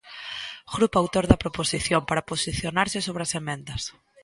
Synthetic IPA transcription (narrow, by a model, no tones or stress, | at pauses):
ɣɾupawt̪oɾðɐpɾoposiθjompaɾaposiθjonaɾsɪsoβɾɪasemẽnd̪ɐs